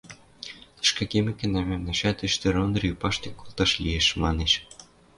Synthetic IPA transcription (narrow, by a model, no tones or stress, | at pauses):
t̪ɤ̥̆ʃkɑkʲemʲɘ̆kʲɘ̆næmʲemnɑʃæt̪ɘ̆ʃt̪ɘ̆ɾonrʲipɑʃt̪ʲĕkːolˠt̪ɑʃlʲieʃmɑneʃ